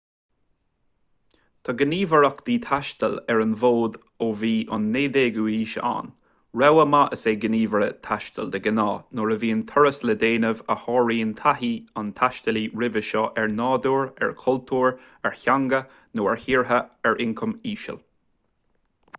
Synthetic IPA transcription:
t̪ʰɑɡəniːvəɹəkd̪̥iːt̪ʰaʃt̪əlɛɹənvoːd̪ | oːviːʔʊ̰nːeːd̪eːɡuiːʃa̰n | ɹɛwəmaʔəseːɡəniːvəɹət̪ʰaʃt̪əld̪əɡənaːnoːɹəviːənt̪ʰɔɹəsləd̪eːnəvəhɑːɹiːənt̪ʰaɦiant̪ʰaʃt̪əliɹɪvəʃɔʔɛɹnɑːd̪uːɹɛ̰ɹkʰɔlt̪ʰuːɹ | ɛɹçaŋɡə | noːɛɹhiːɹɦəɛɹʔɪŋkʰəmiːʃə̰l

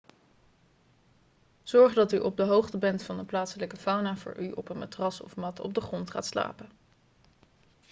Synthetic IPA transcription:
z̥ɔɹχdɑtyʔɔb̚dəɦowχtəbɛntfɑndəplaːtsələkəfawnaːvʊ̰ːɹʔyʔɔ̰pənmatrɑsɔ̰fmɑtɔ̰b̚dəχrɔntχa̰ːtsla̰ːpə

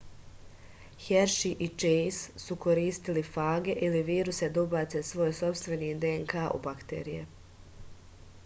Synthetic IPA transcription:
çeɾʃiʔit͡ʃejssuko̞ɾiːst̪ilifaːɡe̞ʔiliʋiːɾused̪ubat̪se̞sʋo̞ːjso̞pst̪ʋe̞nid̪eŋkaːʔṵbakt̪ḛɾijḛ

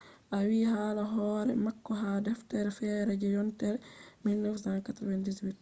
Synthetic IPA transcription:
ʔawiːhalaɦɔːɾɛ̰makːɔɦadɛftɛɾɛfɛːɾɛd͡ʒɛjɔntɛɾɛmilnəfsankatɔɾɔwandiswit̚

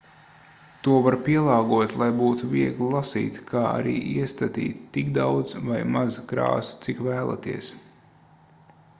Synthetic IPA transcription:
t̪uɔvaɾpʲiɛlˠɑːɡuɔt̪lˠajbuːt̪uviɛɡlˠlˠasḭːt̪kʰaːa̰ɾḭːʔiɛst̪at̪ḭːt̪t̪ːikd̪awd̪z̥vajmazkɾa̰ːsu̥t̪sikʋæːlˠa̰t̪iɛs

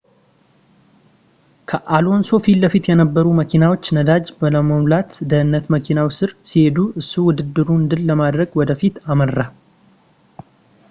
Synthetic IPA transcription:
kʰəʔalo̞nso̞filːəfit̪jɛnəbːəɾuməkʰinawo̞t͡ʃːnəd̪ad͡ʒbələməmlat̪d̪əhɨnːət̪məkʰinawisɨɾsihe̞d̪uʔɨsːuwʊd̪ɨd̪ːɨɾuɨnd̪ɨlːəmad̪ɾəɡwɔd̪əfit̪aməra

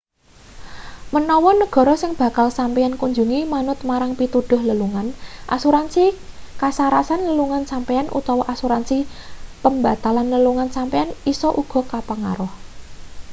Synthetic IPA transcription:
mənɔwɔnəɡ̥ɔ̤ɾɔsɪŋb̥ä̤kalsampiankuɲd͡ʒuŋimanʊt̪̚maɾaŋpit̪ud̪̥ʊ̤hləluŋanʔa̰suɾansikasaɾasanləluŋansampɛanʔṵt̪ɔwɔʔasuɾansipəmba̤t̪alanləluŋansampɛanisɔʔuɡ̥ɔ̤kapaŋa̰ɾʊh

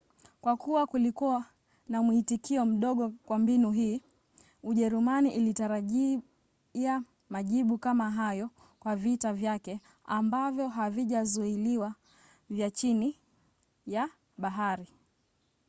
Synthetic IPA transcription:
kwakuwakulikua | namuitikiɔm̩ɗɔɠɔkwambinuɦiː | uʄɛɾumaniʔilitaɾaʄi | a | maʄiɓukamaɦajɔ | kwavitavjakɛ | ambavjɔɦaviʄazuiliwa | vjat͡ʃini | ja | ɓaɦaɾi

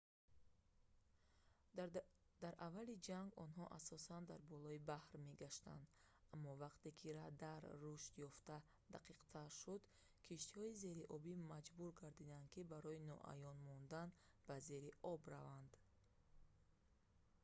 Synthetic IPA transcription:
d̪̥aɾʔavalid͡ʒaŋɡɔnɦɔʔasɔsand̪aɾbɔlɔibahɾme̞ɡaʃt̪a̰nd̪amːɔvaqt̪e̞kʰiɾad̪aɾːuʃt̪jɔft̪a | d̪aqʰiqt̪ʰaɾʃud̪ | kʰiʃt̪ihɔize̞ɾiʔɔbimad͡ʒbuɾɡaɾd̪id̪and̪̚kʰibaɾɔinɔ̰ʔa̰jɔnmɔnd̪an | b̥aze̞ɾiʔɔbɾavand̪

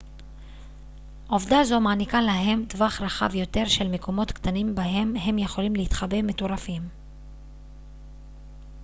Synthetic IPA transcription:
ʔo̞vdazo̞maːnikalaɦe̞mdvaχʁaχa̰vjo̞t̪e̞ʁʃe̞lme̞ko̞mo̞t̪kt̪animbaɦe̞mɦe̞mje̞χo̞limlehit̪χabe̞meto̞ʁafim

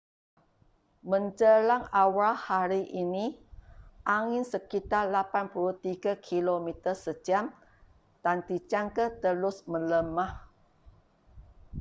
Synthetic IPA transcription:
mə̃ɲd͡ʒəlaŋawalhaɾiʔini | ʔaŋɪnsəkit̪arlapanpuluht̪iɡakʰilomit̪ərsəd͡ʒiam | t̪and̪it͡ʃaŋkət̪əlʊsmələmah

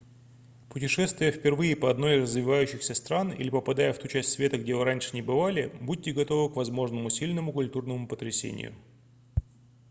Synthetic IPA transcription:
pʊtʲɪʂɛst̪vʲɪjəfpʲɪrvɨɪpəɐd̪no̞jɪzrəzvʲɪvajʉɕːɪxsʲəst̪ɾanḭlʲɪpəpɐd̪ajəft̪ut͡ɕæsʲtʲsvʲe̞t̪əɡdʲevɨɾanʲʂɨ̥nʲɪbɨvalʲɪbud̚ʲtʲɪɡɐt̪o̞vɨkvɐzmo̞ʐnəmʊsʲilʲnəmʊkʊlʲt̪urnəmʊpət̪ɾʲɪsʲḛnʲɪ̰jʊ̰

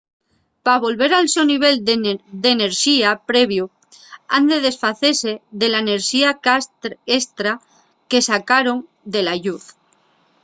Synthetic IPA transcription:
paβ̞o̞lβe̞ɾalsoniβ̞e̞ld̪e̞ne̞ɾʃiapɾe̞βju | and̪e̞ð̞e̞sfaθese̞ðe̞laene̞ɾʃiakest̪ɾa | ke̞sakaɾo̞ŋ | d̪e̞laʎuθ

